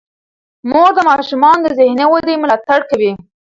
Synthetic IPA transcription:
moɡd̪əmɑʃumɑnd̪əzɪhnewad̪emʊlɑt̪aɽkawi

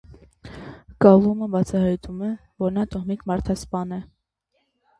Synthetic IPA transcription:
kɑlˠuməbɑt͡sʰɑhɑjt̪umɛvɔɾnɑt̪ɔhmikmɑɾt̪ʰɑspɑnɛ

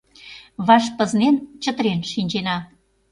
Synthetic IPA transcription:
βɑʃpə̆znent͡ɕə̆t̪ɾenʃinʲt͡ɕenɑ

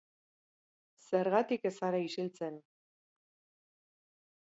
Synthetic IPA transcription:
se̞ɾɣat̪ike̞saɾaisilt͡se̞n

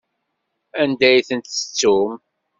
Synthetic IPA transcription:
ænd̪æjθənt̪ə̥t͡sːum

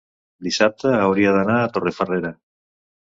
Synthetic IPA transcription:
d̪isap̚t̪aawɾiaðanaat̪orefareɾa

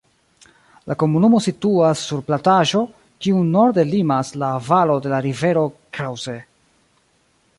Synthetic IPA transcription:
lʔako̞munumo̞situasːuɾplataʒo̞ | kiuno̞ɾde̞limaslavalo̞de̞laɾive̞ɾo̞kɾawze

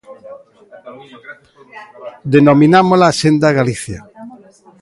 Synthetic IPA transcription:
d̪enominamolaːsend̪aɣaliθja

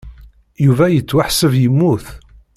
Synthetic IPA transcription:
juvæjət͡sːwaħsəvjəmːuθ

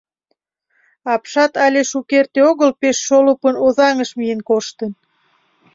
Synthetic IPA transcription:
ɑpʃɑt̪ɑlʲeʃukert̪eoɣəlpeʃːolupənoðɑŋəʃmijenkoʃt̪ən

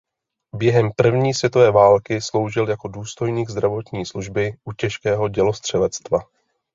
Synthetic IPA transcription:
bjɛɦɛmpr̩vɲiːsvjɛt̪o̞vɛːvaːlkɪslo̞wʒɪljako̞duːst̪o̞jɲiːɡzd̪ɾavo̞t̪ɲiːsluʒbɪʔucɛʃkɛːɦo̞ɟɛlo̞st̪r̝̥ɛlɛt͡st̪va

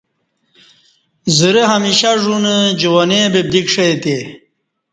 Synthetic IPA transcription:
zəɾəɦɐmiɕaʐunəd͡ʑuwɐnebeb̚d̪ikʂɐjt̪e

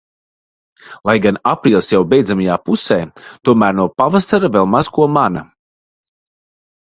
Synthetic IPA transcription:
lˠajɡanapɾiːlˠsjawbʲɛjd̪zamajaːpusɛːt̪uɔmæːɾnuɔpavasaɾavɛlˠmazkuɔmana̰

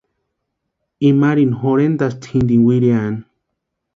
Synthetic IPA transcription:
imaɾinɦoɾend̪ast̪ʰind̪iŋwʷiɾean

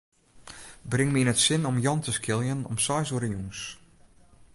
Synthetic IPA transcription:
brɪŋmiinətsɪnɔmjɔntəskɪlˠjənɔ̰msɔjsuɾənjuns

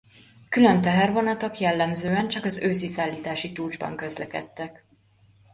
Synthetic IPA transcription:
kylønt̪ɛɦɛrvo̞nɒt̪o̞kjɛlːɛmzøːɛnt͡ʃɒkɒzøːsisaːlːiːt̪aːʃit͡ʃuːd͡ʒbɒ̰ŋkø̞zlɛkɛ̰t̪ːɛk

